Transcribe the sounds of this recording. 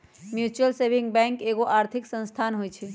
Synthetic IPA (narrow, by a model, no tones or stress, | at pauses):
mjut͡ʃuəlsebiŋbɛ̃ŋkeɡoʔaɾt̪ʰiksə̃nst̪ʰanɦojt͡ʃʰi